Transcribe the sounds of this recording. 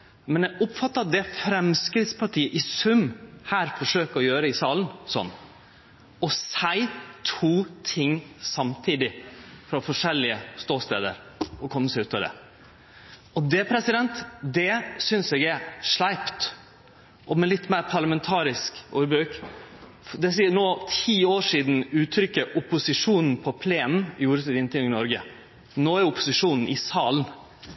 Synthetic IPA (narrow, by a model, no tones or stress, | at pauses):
mɛnɛɡʊpfɑt̪ːəd̪ɛfɾɛmskɾɪt̪spʰɑʈʰiːəʔɪsʉmhæːɾfɔʂøːkəɔjøːɾəɪsɑːlənsɔ̰nː | ɔsæɪt̪ʰuːt̪ʰɪŋːsɑmt̪ʰiːd̪ɪfɾɑɔfɔʂɛlːɪəst̪oːst̪ḛːd̪ə̰ɾ | ɔkʰɔmːəsæʉːt̪ːɑʋd̪ɛ̰ | ɔd̪ɛpʰɾɛsɪd̪ɛnt̪d̪ɛsʏnsɛːɡæɾʂlæɪpt̪ | ʔɔmɛlɪt̪ːmæɪɾpʰɑɾɭəmɛnt̪ʰɑːɾɪskuːɾbɾʉːk | d̪ɛs̬iːənoːt̪ʰiːoːʂiːd̪n̩ʉːt̪ʰɾʏkːəʔʊpʊsɪʂuːnn̩pʰɔpʰleːnn̩ɪjuːɾəsɪd̪ɪnt̪ɪjʉŋɪnɔɾɡə | noːæɾʊpʊsɪʂuːnn̩ʔɪsɑːln̩